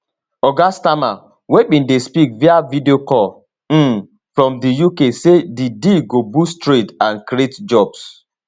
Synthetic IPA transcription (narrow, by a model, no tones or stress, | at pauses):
ɔɡastama | wek͡pĩndespikviavideokɔl | m̩ | fɾɔ̃mdijukesedidiɡobustɾitãnkɾietd͡ʒɔbs